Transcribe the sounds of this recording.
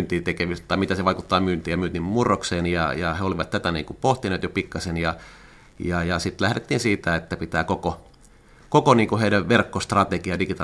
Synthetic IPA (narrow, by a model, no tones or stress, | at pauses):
nt̪iːt̪ekeʋist̪t̪ɑˑimit̪æseʋɑikut̪ːɑːmyːnt̪iːjɑmyːt̪immurːokseːnjɑjɑheoliʋɑt̪t̪æt̪ænḭːŋkupoht̪ineːt̪jopikːɑsenjɑ | jɑjɑsit̪læhɾet̪ːiːnsiːt̪æet̪ːæpit̪æːkoko | kokoniːŋkuheilæʋʋerkːost̪rɑt̪ekiɑdikit̪ɑ